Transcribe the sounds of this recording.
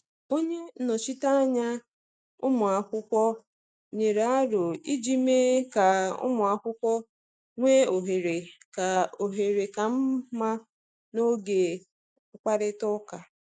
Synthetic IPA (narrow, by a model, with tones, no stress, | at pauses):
o˦ɲe˦nɔ˨t͡ʃi˦ta˦ɲa˦ | ʊ̰˦mʊ˨a˨kʷʊ˦kʷɔ˦ | ɲe˨ɾa˦ɾʊ˨i˦d͡ʒi˦me˦ka˨ʊ̰˦mʊ˨a˨kʷʊ˦kʷɔ˦ | ŋʷe˦o˨ɦe˨ɾe˨ka˨o˨ɦe˨ɾe˨ka˨m̩˦ma˦ | no˦ɡe˨ | ʊ˦k͡pa˦ɾɪ˦tɔ˦ka˨